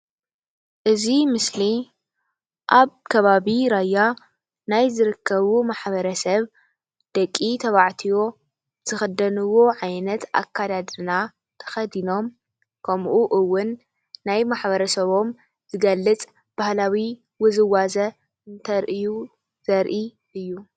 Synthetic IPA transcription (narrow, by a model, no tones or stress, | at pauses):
ʔɨzimɨsli | ʔaβkʰɐβaβiɾajːa | najzɨɾɨkʰːɐβumaħβɐɾɐsɐβ | d̪̥ɐkʼːit̪ʰɐβaʕt̪ʰijo̞ | z̥ɨxɐd̪ɐnɨwo̞ʕajnɐt̪ʔa̰kʰːad̪ad̪ɨna | t̪ʰɐ̥xɐd̪ino̞m | kʰɐmʔuʔɨwːʊnː | ajmaħβɐɾɐsɐβo̞m | z̥ɨɡɐlːɨt͡sʼ | b̥ahlawi | wɨzɨwazɐ | ɨnt̪ʰɐɾʔɨju | z̥ɐɾʔi | ʔɨjːu